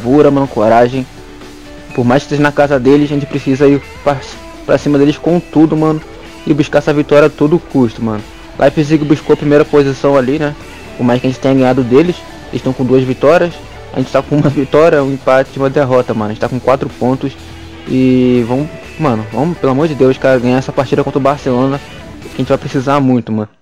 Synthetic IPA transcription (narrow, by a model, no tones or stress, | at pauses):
vuɾɐmɐ̃nʊkoɾaʒẽj̃ | poɾmajʃkɪst̪eʒɐ̃nɐkazɐd̪elɪzaɐʒẽt͡ʃɪ̥pɾesizɐi | pa | pɾɐsĩmɐd̪elɪskõw̃t̪ud̪ʊmɐ̃nʊ | ɪbuʃkaɾɛsɐvit̪ɔɾiɐt̪od̪ʊkʰuʃt̪ʊmɐ̃nʊ | lʔa̰ɪpɾes̬iɡʊbuʃkoɐpɾimejɾɐpozisɐ̃w̃alinɛ | poɦmajʃkɪɐʒẽt͡ʃɪt̪ẽɲɐɡɐ̃ɲ̃ad̪ʊd̪elɪs | elɪʃt̪w̃kõd̪uɐzvit̪ɔɾiɐs | a̰ʒẽt͡ʃɪ̥t̪akõũmɐvit̪ɔɾiɐũĩpat͡ʃɪd͡ʒũmɐd̪eɦɔt̪ɐmɐ̃nʊɐẽt͡ʃt̪akõkwat̪ɾʊpõnt̪ʊs | ɪvɐ̃w̃ | mɐ̃nʊvɐ̃w̃ʊpelamoɾd͡ʒɪd̪ewʃkaɾɐɡɐ̃ɲ̃aɛsɐpaɾt͡ʃid̪ɐkõt̪ɾʊbaɾselõnɐ | kɪɐẽt͡ʃɪvajpɾesizamũj̃t̪ʊmɐ̃nʊ